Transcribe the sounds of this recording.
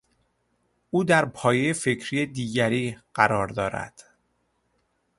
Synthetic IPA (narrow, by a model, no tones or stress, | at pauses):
ʔuːd̪æɾpʰɒːjejefe̞cʰɾiːed̪iːɟæɾiːɢ̥æɾɒːɾd̪ɒːɾæ̰d̪̥